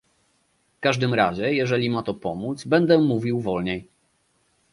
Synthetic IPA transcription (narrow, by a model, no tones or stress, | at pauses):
fkaʐd̪ɘmɾaʑɛjɛʐɛlʲimat̪ɔpɔmud̪zbɛnd̪ɛmːuvʲiwvɔlɲɛj